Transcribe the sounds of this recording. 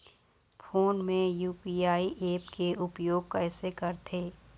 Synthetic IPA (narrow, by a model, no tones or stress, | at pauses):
fʰoːnmẽjuːpiːaːiʔeːpkeʔʊpjoːɡkɛːsekɐɾt̪ʰeː